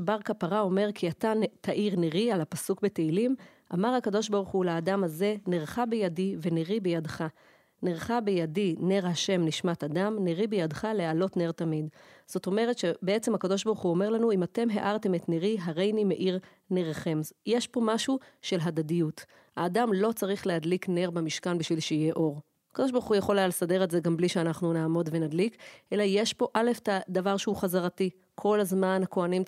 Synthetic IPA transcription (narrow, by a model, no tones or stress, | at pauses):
baʁkapaʁao̞me̞ʁkʰiat̪atʰaʔiʁneʁialapasukbe̞teilim | ʔa̰maʁhakado̞ʃbaʁuχulaːdamaze̞neʁχabejadive̞neʁibejadχa | neʁχabejadine̞ʁhaʃe̞mniʃmat̪adamneʁibejadχalealo̞tneʁtamidz̥o̞to̞me̞ʁet̪ʃe̞beet͡semhakado̞ʃ̬baʁuχuo̞meʁlanuimat̪e̞mɦe̞̰ʔaʁt̪e̞metneʁiɦaʁe̞jnimeʔiʁ | neʁχe̞mjeʃpo̞maʃuʃelɦadadijut | haːdamlo̞t͡saʁiχleɦadlikne̞ʁbamiʃkanbiʃvilʃeije̞ʔo̞ʁ | akado̞ʃ̬baʁuχujaχo̞lealsade̞ʁetzeɡambliʃeanaχnunaːmo̞dve̞nadlikʔe̞lajeʃpo̞ʔale̞ftad̪avaʁʃeuχazaʁati | kʰo̞lazmanhako̞anim